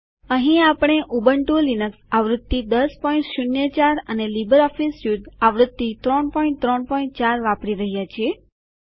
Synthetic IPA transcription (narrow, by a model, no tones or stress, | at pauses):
əɦĩapəɽ̃eʔubəɳʈulinəksaʋɾud̪ːid̪əspɔĩɳʈʃunjət͡ʃaɾənelibəɾɔfisud̪aʋɾʊd̪ːit̪ɾɔɳpɔĩɳʈt̪ɾɔɳpɔĩɳʈ̚t͡ʃaɾʋapɽiɾəɦjat͡ʃʰie